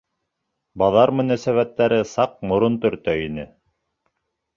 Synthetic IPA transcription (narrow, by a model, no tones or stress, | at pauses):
bɑðɑɾmɵ̆næsæβæt̪ːæɾɘsɑq̚mŏɾont̪ɵ̆ɾt̪œinɘ